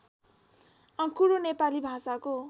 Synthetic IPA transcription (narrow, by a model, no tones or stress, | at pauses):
ʌ̃kuɾonepalibʱasako